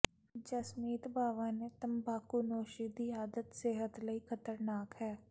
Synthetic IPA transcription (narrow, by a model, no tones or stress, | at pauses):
d͡ʒəsmiːt̪baːʋaːneːt̪əmbaːkunoːʃid̪iːaːd̪ət̪sɪɦət̪ləiːkʰət̪əɾnaːkhɛː